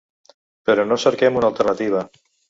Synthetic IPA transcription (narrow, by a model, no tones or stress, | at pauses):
peɾonoseɾkemunalˠt̪eɾnat̪iβ̞a